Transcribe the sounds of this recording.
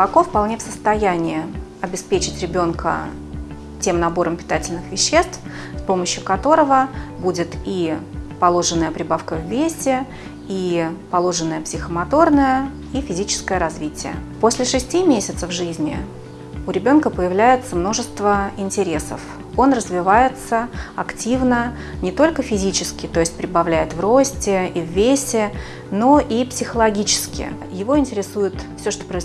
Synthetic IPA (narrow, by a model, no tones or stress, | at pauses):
pɐkofpɐlˠnʲefsəst̪ɐjænʲɪjɪ | ɐbʲɪspʲet͡ɕɪtʲɾʲɪbʲo̞nkə̰ | tʲemnɐbo̞ɾəmpʲɪ̥t̪atʲɪlʲnɨxvʲɪɕːe̞st̪f | spo̞məɕjʊkɐt̪o̞ɾəvəbudʲɪt̪ipɐlˠo̞ʐɨnːəjəpɾʲɪbafkəvʲːesʲɪ | ipɐlˠo̞ʐɨnːəjəpsʲɪxəmɐt̪o̞rnəjə | ifʲɪzʲit͡ɕɪ̥skəjəɾɐzvʲitʲɪjə̰posʲlʲɪʂɨsʲtʲimʲesʲɪt̪səfʐɨzʲnʲɪ̰ | ʊɾʲɪbʲo̞nkəpəjɪvlʲæjɪt̪səmno̞ʐɨst̪vəɪnʲtʲɪɾʲe̞sə̰f | o̞nrəzvʲɪvajɪt̪səɐktʲivnə | nʲɪt̪o̞lʲkəfʲɪzʲit͡ɕɪskʲɪt̪o̞ɪsʲt̚ʲpɾʲɪbɐvlʲæjɪt̪vro̞sʲtʲɪivːʲesʲɪ | no̞ʔipsʲɪxəlˠɐɡʲit͡ɕɪ̥skʲɪ̰ | jɪvo̞ɪnʲtʲɪɾʲɪsujɪt̪fsʲoʂt̪opɾəɪz